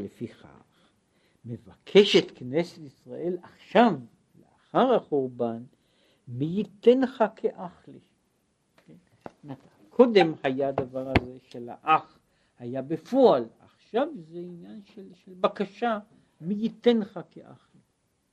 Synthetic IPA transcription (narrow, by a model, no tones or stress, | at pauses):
lefiχa̰ | χ | mevakʰe̞ʃet̪knesetisʁaʔe̞laχʃav | lḛaχaʁhaχoʁban | mijit̪e̞nχakʰeʔaχli | ken | mat | kʰo̞d̪e̞mhajaːd̪avaʁaze̞ʃela̰ʔaχ | hajabefoalaχʃavzeinjanʃelʃelbakaʃa | mijit̪enχakʰeʔa̰χli